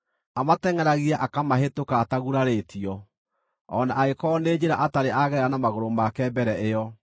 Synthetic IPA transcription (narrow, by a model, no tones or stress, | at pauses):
amatɛŋɛɾaɣiaʔakamaɦetokaːtaɣuɾaɾetʰiɔ | ɔnaʔaekɔneːd͡ʑeɾaʔataɾeʔaɣɛɾanamaɣoɾomakɛbɛɾɛʔejɔ